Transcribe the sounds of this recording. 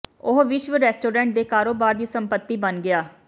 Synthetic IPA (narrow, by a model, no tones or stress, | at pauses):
ʊɦʋɪʃʋɪɾɛːsʈoːɾɛ̃ːɳʈ̚d̪eːkaːɾoːbaːɾd̪iːsəmpət̪ːiːbənɡɪaː